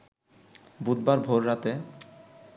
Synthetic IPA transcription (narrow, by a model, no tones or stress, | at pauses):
bud̪̚baɾbʱoɾːat̪e